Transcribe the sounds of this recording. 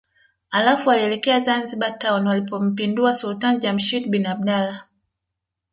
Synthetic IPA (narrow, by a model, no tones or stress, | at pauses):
alafualiɛlɛkɛazanziɓataɔnwalipɔm̩pinduasultand͡ʒam̩ʃitɓinab̚ɗala